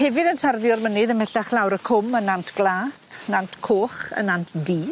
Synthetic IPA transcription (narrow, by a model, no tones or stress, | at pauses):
hɛvɨdəntʰarðjɔrmənɪðəmɛɬaχlawɾəkʰʊmənːantʰɡ̥lˠaːsnantʰkʰoːχə̰nantʰdiː